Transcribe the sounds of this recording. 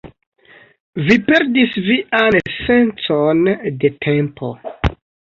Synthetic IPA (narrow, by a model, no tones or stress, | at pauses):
vipe̞ɾdisviʔanse̞nt͡sonde̞tʰe̞mpʰo̞̰